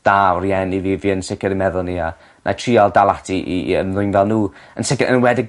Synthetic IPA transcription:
d̥arjɛniðiviənsɪkəɾimɛðʊlˠnia | nʔa̰tʰrialˠdalˠatʰiʔiə̰nðʊɨjnvɛlˠnuːənsɪkəʔə̰nwɛdɪ

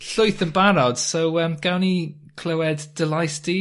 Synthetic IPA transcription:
ɬʊɨθənbaɾɔd̥sowəmɡ̥awni | kʰl̥ˠəwɛd̥ːɪlajsti

